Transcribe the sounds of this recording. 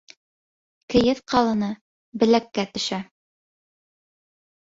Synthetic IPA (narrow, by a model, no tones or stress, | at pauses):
kɘ̆jɘðqʰɑlˠɤ̆nɤ | bɘ̆lækːæt̪ɵ̆ʃæ